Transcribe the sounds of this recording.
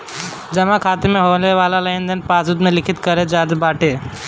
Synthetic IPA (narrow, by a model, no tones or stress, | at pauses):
d͡ʒɐmakʰaːt̪emẽɦoːleʋaːlalaind̪ʱənpaːsut̪mẽlɪkʰit̪kəɾed͡ʒaːd̪baːʈe